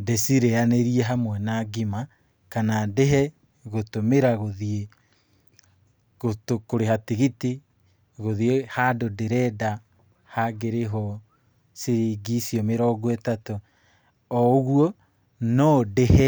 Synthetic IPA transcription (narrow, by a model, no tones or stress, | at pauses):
desiɾeaneɾiɛɦamwɛnaɡima | kanadeɦɛ | ɣotomeɾaɣoðie | ɣotokoɾeɦateɣite | ɣoðiehadodeɾɛda | haɡeɾeɦɔ | seɾeɡisiɔmeɾɔɡwɛtatɔ | ɔɣuɔ | nɔdehɛ